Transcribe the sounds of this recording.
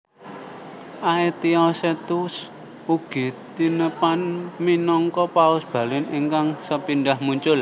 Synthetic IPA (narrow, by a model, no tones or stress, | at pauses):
ʔaet̪iɔset̪us | uɡ̥i̤t̪inəpanminɔŋkɔpaʊsb̥ä̤lɪniŋkaŋsəpinɖahmuɲt͡ʃʊl